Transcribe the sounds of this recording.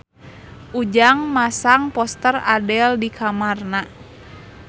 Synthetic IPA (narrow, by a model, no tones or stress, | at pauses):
ʔud͡ʒaŋmasaŋpɔst̪əradɛldikʰamarna